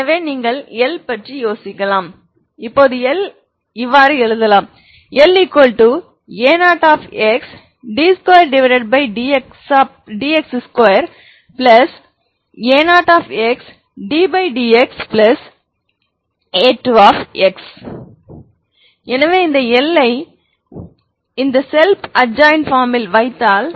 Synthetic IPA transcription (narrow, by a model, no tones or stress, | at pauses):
ɐʋeːniːŋɡɐɭɛlpɐʈrijoːsɪkːɐlaːm | ɪpːoːðɯɛl | ɪʋːaːɾɯɛɻɯðɐlãːm | ɛlikːɐlʈu | eːnaːʈaːfɛks | ɖiːskojɐɾɖɪʋɐɪɾɐɖ̚bɐɪɖiksː | ɖiːɛksskɐjɐɾ | plɐs | eːnaːʈaːfɛks | ɖiːbɐɪɖiːɛksplɐs | eːʈːuaːfɛks | ɛnɐʋeːɪnd̪ɐɛlːɐɪ | ɪnd̪ɐsɛlpɐd͡ʒãːɪnfaːɾmɪlʋɐɪt̪ːaːl